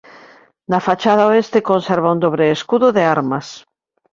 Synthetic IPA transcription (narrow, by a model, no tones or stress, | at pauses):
nafat͡ʃaðaoest̪ekonseɾβ̞aund̪oβɾeːskuðoðeaɾmas